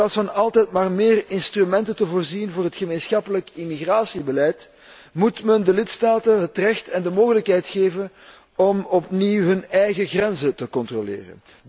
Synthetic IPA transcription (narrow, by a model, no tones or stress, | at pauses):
aːsfɑnɑlˠtɛjtmaːrmeːrɪnstrymɛntəntəvoːrzinvoːrɦətxəmeːnsxɑpələkimiɣraːsibəlɛjt | mutməndəlɪtstaːtənɦətrɛxtɛndəmoːɣələkɦɛjtxeːvən | ɔmɔpniwɦɵnɛjɣəɣrɛnzətəkɔntrolḛːrə̰n